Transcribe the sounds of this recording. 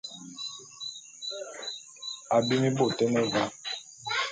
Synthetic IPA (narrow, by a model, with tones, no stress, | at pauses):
a˨bi˦mi˦bo˦˨tɛ˦nɛ˦va˦